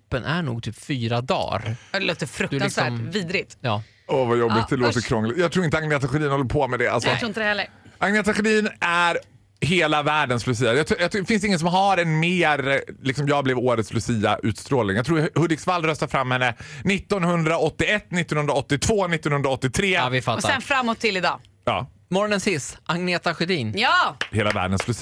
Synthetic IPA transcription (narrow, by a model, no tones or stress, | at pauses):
pːənʔæ̰ɳṵːɡ̚t̪ʰyːpfyːɾad̪ɑ̰ːɾd̪ɛloːt̪əfɾɵk̪sːviːd̪ɾɪt̪j | ɔvajɔbːɪt̪̚d̪ɛlːtt̪əɾkʰɾɔŋlɪjɑɡt̪ʰɾuːɾɪnt̪əaŋnɛt̪aɧd̪iːnhɔlːəɾpʰɔmɛd̪ɛa̰lsɔɾuɪnədɛɛlːəʔaŋnɛːt̪aɧɪd̪iːnæɾ | ɦeːlavæːɖənslɵs̬iːajɑt̪ʰːjɑt̪ʰfɪnst̪ɪŋːəns̬ɔmɦaɾɛnmeːɾlɪksɔmjɑːɡblɛvoːɾət̪slɵsiːa̰ʔʉ̟ːt̪st̪ɾoːlnɪŋjaɡt̪ʰɾuːɾhɵd̪ɪksvald̪ɾœst̪aɾfɾamːhɛnːənɪt̪ːɔnhɵnd̪ɾaɔt̪ːɪɛt̪ːnɪt̪ːɔnhɵnd̪ɾaɔt̪ːɪt̪ʰv̥oːnɪt̪ːɔnhɵnd̪ɾaɔt̪ːɪt̪ʰɾeːvɪfaɔɛnfɾamːɔt̪ʰːɪlɪd̪ɑː | jɑ̰ː | mɔɾɔnɛnsɪsʔaŋneːt̪aɧɵd̪iːnjɑheːlavæ̰ːɖənslɵs